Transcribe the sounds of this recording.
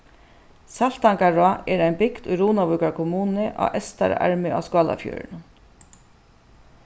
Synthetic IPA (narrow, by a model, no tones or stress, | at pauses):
sal̥t̪aŋkaɹaːʔɛɾaɪjnbɪkd̪ʊjɾuːnavujkaɹkʰɔmuːnɪʔa̰ʔɛst̪a̰ɾa̰ɹmɪʔaskɑːla̰fjœ̰ːɹn